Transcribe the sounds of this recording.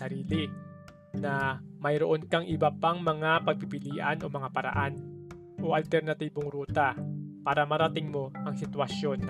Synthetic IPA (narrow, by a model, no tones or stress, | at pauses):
ɐɾiːlɪ | nɐmɐjɾoʔonkɐŋʔɪbɐpaŋmɐŋapɐɡ̚pɪpɪliːʔɐ̰nʔo̞mɐŋapɐɾɐ̰ʔan | ʔo̞ʔɐlt̪ɛɾnɐt̪iːboŋɾuːt̪apaːɾɐmɐɾɐt̪ɪŋmo̞ʔɐŋsɪt̪wɐʃjo̞n